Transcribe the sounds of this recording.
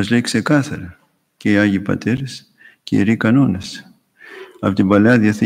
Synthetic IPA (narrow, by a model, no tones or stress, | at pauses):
ɐzleikse̞kɐθɐɾɐ | ceiɐʝipɐ̰t̪e̞ɾes | cḛḭɾikɐno̞nes | ɐpot̪imbɐleɐðjɐθi